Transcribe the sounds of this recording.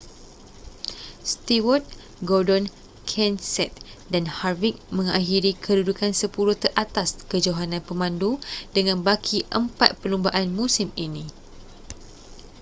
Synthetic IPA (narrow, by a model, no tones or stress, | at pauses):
st̪iwɔt̪̚ | ɡɔdɔn | kʰɛnsɛt̪̚danharvik̚mə̃ŋaɦiɾikʰədudukansəpuɾut̪ərʔat̪askəd͡ʒoɦanãnpəmãndudəŋãnbakʰiʔəmpat̪̚pəlumbaʔanmũsiminĩ